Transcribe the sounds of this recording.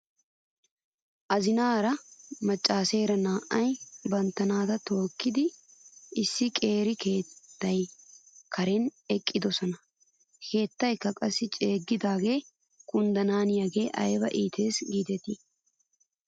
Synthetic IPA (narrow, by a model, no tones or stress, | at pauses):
ʔɐzɪnaːɾɐmɐt͡ʃʼːaːseːɾɐnaːʔɐjbɐnt̪ːɐnaːt̪ɐt̪o̞ːkːɪd̪ɪ | ɪsːɪkʼe̞ːɾɪke̞ːt̪ːɐjkʰɐɾɛnɛkʼːɪd̪ɔsɔnɐ | kʰe̞ːt̪ːɐjkːɐkʼɐsːɪt͡ʃʼe̞ːɡːɪd̪aːɡe̞ː | kʼʊnd̪ɐnaːnɪjɐɡe̞ːʔɐ̰jbɐ̰ʔiːt̪e̞ːsɡiːd̪ɛt̪i